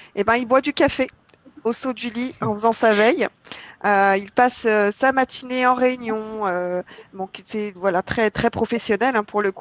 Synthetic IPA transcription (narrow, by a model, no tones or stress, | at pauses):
ebɛ̃ilbwad̪ykafe | osod̪yliɑ̃fəzɑ̃savɛjøilpasøsamat̪ʰineɑ̃ʁeynjɔ̃øbɔ̃kisɛvwalat̪χɛt̪χɛpχɔfesjɔnɛlɛ̃puʁləku